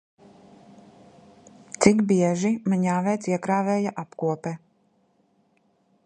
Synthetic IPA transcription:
t̪sikbiɛʒimaɲaːvɛjt̪siɛkɾaːvɛːjaʔapkuɔpɛ

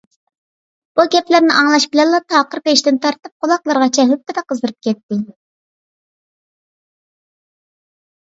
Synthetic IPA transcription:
b̥uɡʲɛplæɾnɪʔɑŋlˠɑʃbɪlɛnlˠɑt̪ʰɑːqəɾpeʃt̪ɪnt̪ʰɑɾt̪ɨp̚qʰolˠɑqlˠɑɾʁɑt͡ʃʰɛɦyp̚t̪ːɪd̪ɛqʰəzd̪əɾɨp̚kʲɛt̪ːɪ

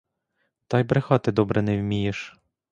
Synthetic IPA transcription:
t̪ɑjbɾexɑt̪ɪd̪ɔbɾɛnɛwmʲijeʃ

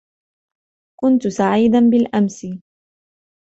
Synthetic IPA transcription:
kʊnt̪ʊsaʕiːd̪anbɪlʔamsɪ

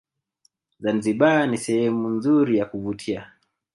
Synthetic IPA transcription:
zanziɓanisɛhɛmunzuɾijakuvutʰia

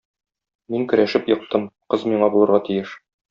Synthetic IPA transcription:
miŋkɵ̆ɾʔæʃɘpjɤ̆q̚t̪ɤmqɤzmiɴɑbulˠɤ̆ɾʁɑt̪ijɘʃ

